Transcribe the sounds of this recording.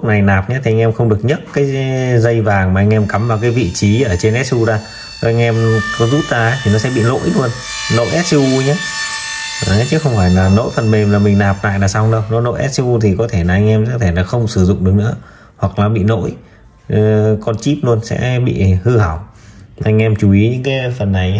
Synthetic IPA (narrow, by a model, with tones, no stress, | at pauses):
lk̚na˨˩jnaː˨˩p̚ɲaː˨˦t̪ʰi˨˩ʔa˧jŋ̟ʔɛ˧mxə˧ŋ͡mɗɨ˨˩ək̚ɲə˦˥t̚kaː˨˦jzə˧jvaː˨˩ŋmaː˨˩ʔa˧jŋ̟ʔɛ˧mka˨˦mvaː˨˩wkaː˨˦jvḭ˧˨t͡ɕi˨˦ʔəː˧˩t͡ɕe˧nʔɛ˦˥t̚su˧zaː˧˩ | ʔa˧jŋ̟ʔɛ˧mkɔ˨˦zu˦˥t̚zaː˧˨˦jt̪ʰi˨˩nɔ˨˦sɛ̰˧˥ɓḭ˧˨no̰˧˥jlu˧ənː | o̰˧˥jʔɛ˦˥t̚su˧ɲaː˨˦ | aː˨˩a˨˦t͡ɕɨ˦˨˦xə˧wŋ͡mfaː˧˩jlaː˨˩no̰˧˥jfə˨˩nmi˨˩ŋlaː˨˩mï˨˩ŋ̟naː˨˩p̚na̰ː˧˨jnaː˨˩saː˧ɗə˧wnɔ̰˨˦˥no̰˧˥jʔɛ̰˦˥t̚su˧t̪ʰi˨˩kɔ˨˦t̪ʰe˧˩laː˨ʔa˧jŋ̟ʔɛ˧mɛ˧˥t̪ʰe˧˩laː˨˩xə˧wŋ͡msɨ˧˩zʊ̰˧˨ŋ͡mɗɨ˨˩k̚nɨ̰˧˥ə | hwa˨˩k̚laː˨˩ɓḭ˧˨no̰˧˥j | kɔ˧nt͡ɕi˦˥p̚lu˧ənsɛ̰˧˥ɓḭ˧˨hɨ˧ha˧˩w | ʔa˧jŋ̟ʔɛ˧mt͡ɕu˨˩i˨˦ɲɨ̰˧˥ŋkaː˨˦jfə˨˩nːa˨˩ja˦